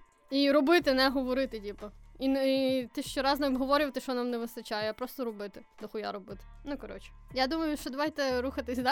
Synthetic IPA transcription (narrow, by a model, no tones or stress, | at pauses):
iɾɔbɪt̪ɪnɛɦɔʋɔɾɪt̪ɪdʲipɐint̪ɪʃt͡ʃɛɾɑznɛɔbɦɔʋɔɾʲʊʋt̪ɪʃt͡ʃɔnɑmnɛʋɪst̪ɐt͡ʃajʊjapɾɔst̪ɔɾɔbɪt̪ɪd̪ɐxʊja̰ɾɔbɪt̪ɪ̥nukɐɾɔ̰t͡ʃɪ̥jad̪umɐjʊʃt͡ʃɔd̪ɐʋɑjt̪ɛɾuxɐt̪ɪsʲd̪ɑ